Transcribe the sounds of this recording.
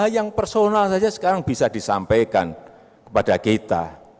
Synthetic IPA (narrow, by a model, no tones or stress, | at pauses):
jaŋpərsonalsad͡ʒasə̥kaɾaŋbisadisa̰mpejka̰n | kə̥padakit̪a̰